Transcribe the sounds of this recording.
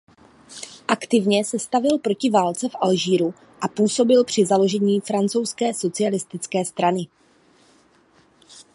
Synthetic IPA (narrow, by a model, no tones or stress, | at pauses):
ʔakt̪ɪvɲɛsɛst̪avɪlpɾo̞cɪvaːlt͡sɛfʔalʒiːɾu | ʔapuːso̞bɪlpr̝̥ɪzalo̞ʒɛɲiːfɾant͡so̞wskɛːso̞t͡sɪalɪst̪ɪt͡skɛːst̪ɾanɪ